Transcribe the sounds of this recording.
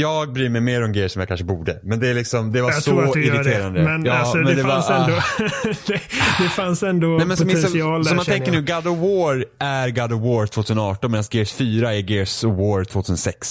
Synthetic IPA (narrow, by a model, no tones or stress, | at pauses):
jɑːɡ̚bɾyːmɛjmeːɾɔmɡeːəʂɔmjakʰa̰nʂəbuːɖəmɛnd̪ɛːlɪksɔmd̪ɛvasɔɪɾɪd̪ʰeːɾand̪əmɛnjɑmɛnd̪ɛvaɛnd̪od̪̥ɛd̪ɛfansɛnd̪ɔnɛmɛnsɔmɛsɔɪɑːlsɔmanʰɛŋkːəɳʉːɡad̪ɔwoːɾæɾɡad̪ɔwoːɾt̪ʰvoːt̪ʰʉ̟səɔɑːʈɔnmeːd̪ansɡeːsfyːɾaæɡeːswoːɾt̪ʰv̥oːt̪ʰʉ̟sənsɛks